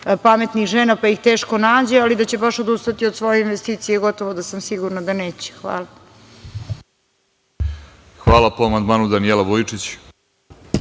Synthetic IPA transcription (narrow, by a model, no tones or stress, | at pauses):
pamet̪nixʒeːnapajixt̪e̞ːʃko̞naːd͡ʑealid̪at͡ɕe̞baʃod̪ust̪at̪iod̪sʋo̞jeinʋest̪iːt̪sijeɡo̞t̪o̞ʋod̪asamsiɡuɾnad̪aneːt͡ɕe̥xʋa̰ːla | xʋaːlapoamand̪maːnud̪anielaʋojit͡ʂit͡ɕ